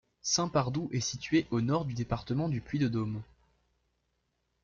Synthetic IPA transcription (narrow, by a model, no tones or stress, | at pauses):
sɛ̃paʁd̪uʔɛsit̪ɥeʔonɔʁd̪yd̪epaʁt̪əmɑ̃d̪yplɥid̪əd̪om